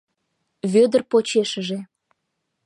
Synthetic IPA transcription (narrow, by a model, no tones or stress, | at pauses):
βød̪ərpot͡ɕeʃəʒe